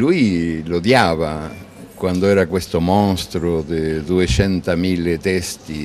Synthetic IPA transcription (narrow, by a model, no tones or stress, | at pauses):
lujlod̪jaːva | kwand̪oɛːɾakwest̪omɔnst̪ɾod̪ɪd̪uet͡ʃɛnt̪amilːet̪ɛst̪i